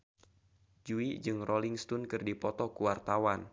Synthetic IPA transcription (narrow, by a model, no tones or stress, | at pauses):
d͡ʒuid͡ʒɨŋroliŋst̪ʊnkɨrdipɔt̪ɔkuwart̪awan